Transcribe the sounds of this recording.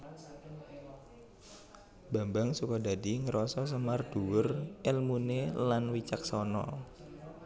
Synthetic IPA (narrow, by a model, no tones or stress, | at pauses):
ba̤mbaŋsukɔda̤diŋəɾʔɔsɔs̬əmard̥uwʊrɛlmunelanwit͡ʃak̚sɔnɔ̰